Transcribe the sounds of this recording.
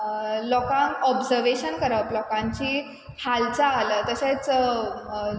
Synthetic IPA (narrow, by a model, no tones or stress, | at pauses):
lɔkãŋkɔbd͡zəɾʋeɕənkəɾəplɔkãɲt͡ɕiː | hʰalt͡saːləːt̪əɕet͡s